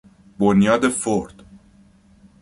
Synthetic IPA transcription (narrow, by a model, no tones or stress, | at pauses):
bonjɒːd̪e̞foɾd̪̥